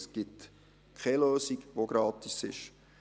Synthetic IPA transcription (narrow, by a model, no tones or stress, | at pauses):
sɡ̥ɪt | kʰɛløːsiɡʋoɡɾɑːt̪isɪʃ